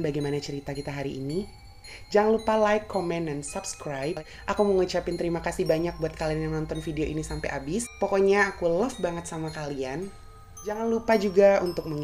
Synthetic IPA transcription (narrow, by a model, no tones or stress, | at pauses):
baɡajmanat͡ʃəɾit̪akit̪aɦaɾiʔːni | d͡ʒaŋanlupalajkːɔmɛndansabskɾaj | ʔakuməŋut͡ʃapɪnt̪əɾimakasihbaɲak̚buat̪̚kalianjaŋnɔnt̪ɔnfideoʔinisampajʔabɪspɔkɔɲaːkuləfbaŋət̪̚samakalian | d͡ʒaŋanlupad͡ʒuɡaunt̪ʊk̚məŋ